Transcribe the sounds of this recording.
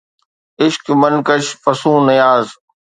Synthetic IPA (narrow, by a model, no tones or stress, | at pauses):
ɪʃkmɐnkəʃfɐsũːnɐjaːz